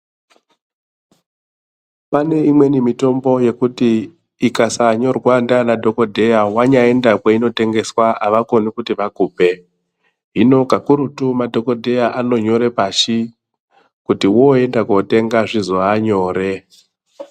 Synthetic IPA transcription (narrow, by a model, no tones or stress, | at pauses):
pane̞imwe̞nimito̞mbo̞je̞kutiː | kasaɲo̞rwandanadʱo̞ko̞dʱejawaɲae̞ndakeino̞te̞ŋɡe̞swaaʋako̞nikutiʋakuːpe̞ | ɦino̞kakuɾutumadʱo̞ko̞dʱe̞jaʔano̞ɲo̞ɾe̞paʃi | kutiwoe̞ndakote̞ŋɡaʐizoaɲo̞ːɾe̞